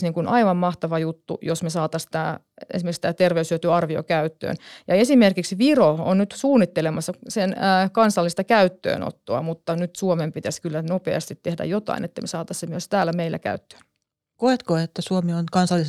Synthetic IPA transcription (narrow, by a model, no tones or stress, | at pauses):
niːŋkunʔɑiʋɑmmɑht̪ɑʋɑjut̪ːṵjosmesɑːt̪ɑst̪æː | ḛsimerist̪æːt̪erʋeyshyøt̪yɑrʋio̰kæyt̪ːø̰ːnjɑesimerkiksʋiroo̰nnyt̪suːnːit̪ːelemɑsːɑsenːkɑnsɑlːist̪ɑkæyt̪ːø̰ːno̰t̪ːoɑ̰mut̪ːɑnyt̪suomempit̪æskylːænopḛɑ̰st̪it̪tehdæ̰jot̪ɑ̰inʔḛt̪ːæmesɑːt̪ɑssemyøst̪æːlæmeilːæ̰kæ̰yt̪ːø̥ːn | koet̪koet̪ːæsuomionkɑnsɑlːis